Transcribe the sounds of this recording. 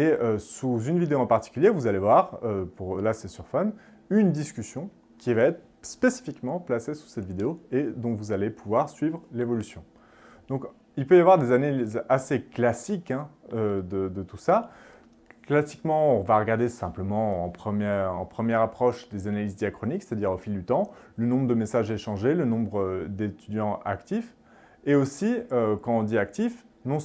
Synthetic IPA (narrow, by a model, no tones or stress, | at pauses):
eøsuzynvid̪eoɑ̃paʁt̪i̥kʲyljevuzalevwaʁøpuʁlasɛsyʁfɔn | ynd̪iskʲysjɔ̃ | kʲivaɛt̪χ | spesi̥fikmɑ̃plasesu̥sɛt̪vid̪eoed̪ɔ̃vuzalepuvwaʁsɥivʁlevɔlysjɔ̃ | d̪ɔ̃k | ilpøjavwaʁd̪ezanalizaseklasikɛ̃ød̪əd̪ət̪usa | klasi̥kmɑ̃ɔ̃vaʁəɡaʁd̪esɛ̃pləmɑ̃ɑ̃pχəmjɛɑ̰̃pχəmjɛʁapχɔʃd̪ezanalizd̪jakχɔnikse̥t̪ad̪iʁofild̪yt̪ɑ̃lənɔ̃bʁəd̪əmesaʒɛʃɑ̃ʒelənɔ̃bʁd̪et̪yd̪jɑ̃a̰kt̪if | eosiøkɑ̃ɔ̃d̪iak̚t̪ifnɔ̃